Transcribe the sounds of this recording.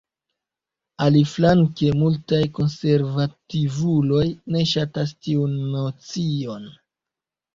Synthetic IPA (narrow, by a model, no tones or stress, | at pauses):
aliflaŋke̞multajko̞nse̞ɾvativulo̞jne̞ʃatas̬tiunːot͡sio̞n